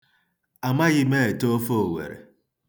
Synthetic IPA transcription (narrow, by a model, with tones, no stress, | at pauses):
a˨ma˦ɣɪ˦me˦e˨to˦fo˦o˨wḛ˨ɾḛ˨